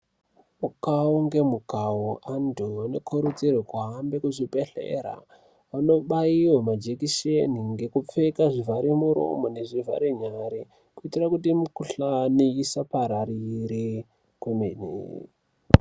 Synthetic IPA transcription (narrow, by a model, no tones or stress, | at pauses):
mukauŋɡe̞mukawoʔandoano̞kʰoɾud͡zirwekuɦambe̞kuʐipe̞ɬḛːɾa̰ | ʋano̞ɓaiwamad͡ʒekiʃeniŋɡe̞kup͡fekaʐivʱaɾimuɾo̰mone̞ʐiva̰ɾeɲaɾi | kuitirakutimukuɬaniisapaɾaɾiɾi | kwumenḛ